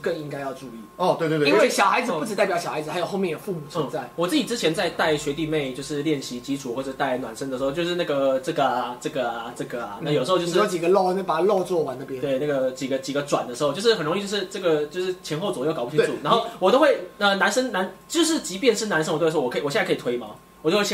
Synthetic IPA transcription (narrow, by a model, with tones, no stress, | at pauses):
kə˥˨ŋi˦˥ŋka˥ɪjɑ˥˧ʊʈ͡ʂu˥˧i˥˩ɔ˨˩t̪we˥˧wi˥nwwe˥˩ɕjɑ˨˩ʊxa˧˥ɪd͡zɹ̩˨ppu˥˩ʈ͡ʂɻ̩˨˩t̪ɪpjɑ˧˩ʊɕɑ˨˩xa˧ɪd͡z̩˨˩a˧˥jʊxo˥˧jɛ˥˩ndə˨˩fu˥˩mu˨˩t͡s̩ʰ˧˥˩t͡sa˥˩ɪwɔ˨˩t͡sɹ̩˥˩t͡ɕi˨˩t͡sɻ̩˥t͡ɕʰjɛ˧˦nt͡sa˥˧ɪt̪a˥˩ɪɕɥɛ˧˥t̪i˥˧ne˥˧ɪt͡ɕjo˥˧ʊʂɻ̩˥˧ljɛ˥˩nɕi˧˥t͡ɕi˧˥ʈ͡ʂʰu˨˩xwɔ˥˩ʈ͡ʂə˩˥t̪a˥˩ɪnwa̰˨˩nʂə˦ŋd̪ə˩ʂɻ̩˧˥o˥˧t͡ɕo˥˧ʊʂɻ̩˥˧na˥˩ɡə˩ʈ͡ʂɤ˥˩ɡə˩a˨˩ʈ͡ʂɤ˥˩ɡə˩a˨˩ʈ͡ʂɤ˥˩ɡə˨˩a̰˩na˥˩jo˨˩ʂ̩˧˥˧t͡ɕjʂt͡ɕi˨˩ɡə˦lo˥˧n˥˩pa˨˩˦lo˥˧t͡swɔ˥˩wa˧˦nə˥˩pjt̪we˥˩ɪna˥˩ɡə˩t͡ɕi˨˩ɡə˦t͡ɕi˨˩ɡə˧˦ʈ͡ʂwa˨˩nd̪ə˦ʂɻ̩˧˥o˥˧t͡ɕo˥˧ʊʂɻ̩˥˩xə˨˩nɻo˧ŋi˥˧t͡ɕo˥˧ʊʂ̩˥˧ʈ͡ʂɤ˥˩ɡə˩t͡ɕjo˥˧ʊʂɻ̩˥˩t͡ɕʰjɛ˧˥nxo˥˩ʊt͡swɔ˨˩jo˥˩kpu˥˩˥u˥˩na˧˥nxo˥˩wɔ˨˩t̪o˥ʊxwe˥˩ɪə˧na˧˥nʂə˥ŋna˧˥nt͡ɕjo˥˧ʊʂ̬ɻ̩˥˩t͡ɕi˧˥pjɛ˥˧nʂɻ̩˥˩na˧˥nʂə˥ŋwt̪ɔ˨˩kʰwɔ˨˩˧kʰi˨t̪ʰwe˥ɪi˨˩mɑ̰˨˦ŋ | wɔ˨˩t͡ɕo˥˧we˥˩˥